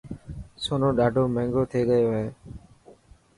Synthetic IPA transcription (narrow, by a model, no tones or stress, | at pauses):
soːnõːɗaːɖʱoːmɛ̃ːŋɡoːt̪ʰeːɠəjoːɦeː